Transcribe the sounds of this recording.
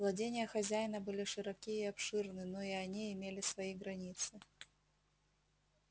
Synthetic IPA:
vlˠɐdʲenʲɪjəxɐzʲæjnəbɨlʲɪʂɨɾɐkʲiɪɐpʂɨrnɨnoɪɐnʲiɪmʲelʲɪsvɐiɡɾɐnʲit̪sɨ

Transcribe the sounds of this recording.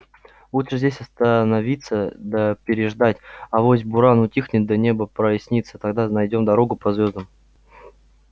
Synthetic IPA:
lˠut̪ʂɨzʲdʲesʲɐst̪ənɐvʲit̪səd̪əpʲɪɾʲɪʐd̪atʲɐvozʲbʊɾanʊtʲixnʲɪt̪̚d̪ənʲebəpɾəjɪsʲnʲit̪sːət̪aɡd̪anɐjdʲo̞md̪ɐɾo̞ɡʊpɐzvʲo̞zd̪əm

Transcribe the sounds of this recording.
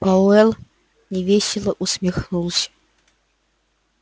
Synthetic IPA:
pawɛlˠ | nʲɛvʲesʲɪlˠəʔusʲmʲɪxnulˠsʲə̥

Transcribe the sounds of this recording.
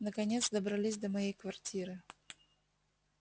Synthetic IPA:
nəkɐnʲet̪sd̪əbɾɐlʲisʲd̪əmɐjejkvɐrtʲʰiɾɨ

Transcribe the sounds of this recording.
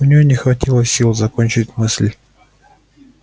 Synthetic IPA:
ʊnʲɪjonʲɪxvɐtʲilˠəsʲilˠzɐkonʲt͡ɕɪtʲmɨsʲlʲ

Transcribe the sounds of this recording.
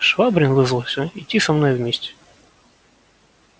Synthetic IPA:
ʃvabɾʲɪnʲlˠɨzlˠɔsʲɔitʲːisɐmnɔjvmʲisʲtʲɪ̥

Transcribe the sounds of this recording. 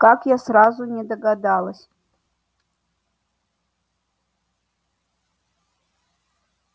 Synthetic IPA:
kakjasrazunʲɛd̪ɐɡad̪alˠɐsʲ

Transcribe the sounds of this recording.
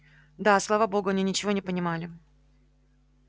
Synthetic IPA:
d̪aslˠavabo̞ɡʊɐnʲinʲɪt͡ɕɪvo̞nʲɪpənʲɪmalʲɪ

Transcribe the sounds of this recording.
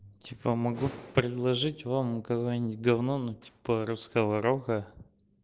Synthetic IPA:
tʲipəmɐɡupɾʲɪd̪lˠɐʐɨtʲvamkɐkojnʲɪt̚ʲɡɐvnonutʲi̥pəɾuskəvɐɾoxə

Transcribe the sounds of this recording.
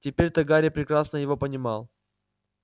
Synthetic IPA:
tʲɪpʲeɾʲt̪ɐɡaɾʲɪpɾʲɪkɾasnəjɪvo̞pənʲɪmalˠ

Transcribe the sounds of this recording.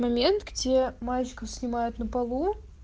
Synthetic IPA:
mɐmʲe̞nt̪ɡdʲe̞malʲt͡ɕɪ̥kəfsʲnʲɪmajʊt̪nəpɐlˠu

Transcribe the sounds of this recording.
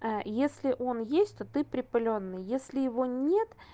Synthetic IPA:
ajesʲlʲɪʔo̞njesʲtʲt̪ot̪ɨpɾʲɪpəlʲo̞nːɨjjesʲlʲɪjɪvo̞nʲe̞t̪

